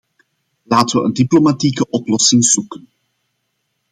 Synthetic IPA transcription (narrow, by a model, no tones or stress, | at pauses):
laːtəʋəʔəndiplomatikəʔɔplɔsɪŋz̥ukən